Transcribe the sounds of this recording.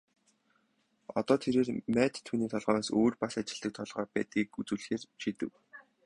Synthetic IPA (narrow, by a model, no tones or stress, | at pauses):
ɔ̰t̪ɔːt̪ʰeɾeːrmæːt̪ʰːuːniːt̪ʰɔɮʁœːnasoːrpasat͡ɕɪ̥̆ɮ̥t̪ə̆k̚t̪ʰɔɮʁɔːpæːt̪̚ɡiːkut͡sŭːɮɘ̆xeːrʃit̪ɘ̆w